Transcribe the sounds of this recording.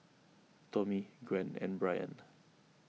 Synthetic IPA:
tɔmiɡɹɛ̃nɛ̰̃nbɹajə̰̃n

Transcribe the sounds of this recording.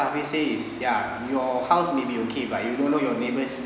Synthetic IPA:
aviseisja | jɔhawsmebiokʰebajudõnːojɔnebəs

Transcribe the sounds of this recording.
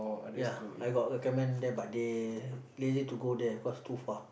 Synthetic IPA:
jaajɡɔʔ̚ɛkɛmɛ̃ndɛbaʔde | lezituɡodɛikɔstufa

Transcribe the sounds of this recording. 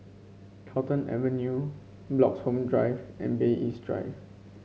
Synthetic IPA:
kʰaʊtə̃nɛ̰və̃nju | blɔkshõmdɹaɪvʔɛ̰̃nbeʔisdɹa̰ɪv

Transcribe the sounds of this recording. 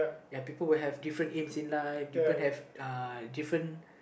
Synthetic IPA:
japipəlwilɦɛvdifɹə̃ntẽmsĩnlaiə̃hɛvadifɹə̃n

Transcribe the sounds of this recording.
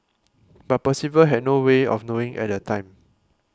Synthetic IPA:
b̥at̚pɔsivəlɦɛd̚noweɔ̰fnoɪ̃ŋʔɛ̰t̚dətʰãɪ̃m

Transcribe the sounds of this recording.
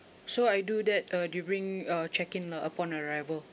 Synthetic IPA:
soajdudɛt̚ʌdubɹĩŋat͡ʃɛkĩŋlaʔəpɔ̃nəɹajvəl

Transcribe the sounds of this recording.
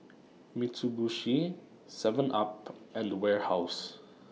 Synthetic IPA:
mitubuʃi | sɛvə̃nʔapɛ̃ndwɛɹhaws

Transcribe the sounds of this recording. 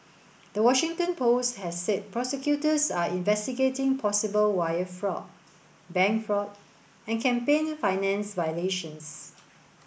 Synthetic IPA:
d̥əwɔʃɪ̃ŋtə̃npʰosthɛsːɛt̚pɹɔsɛkjutəsaĩnvɛstiɡetɪ̃ŋpʰɔsibəlwajəfɹɔ̰t̚ | bɛ̃ŋkfɹɔt̚ | ɛ̃nkʰɛ̃mpẽñfaɪnɛ̃nsvajəleʃə̃ns

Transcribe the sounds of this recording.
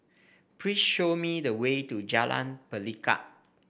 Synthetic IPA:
pʰɹisʃomidəwetud͡ʒalã̰npəlika̰t̚

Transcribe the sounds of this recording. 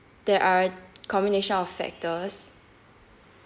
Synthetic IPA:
d̥ɛʔakʰɔ̃mbineʃə̃nɔffɛ̰k̚təs

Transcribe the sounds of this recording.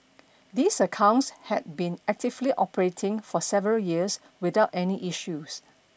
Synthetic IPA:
d̪isəkʰãʊ̃ntshɛd̚bĩnɛk̚tɪvliʔɔpəɹetʰɪ̃ŋfɔsɛvəɹəljiəs | widaʊtɛniʔiʃus

